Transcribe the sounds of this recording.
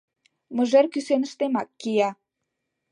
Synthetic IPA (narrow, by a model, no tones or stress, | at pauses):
mə̆ʒerkysenə̆ʃt̪emɑkːijɑ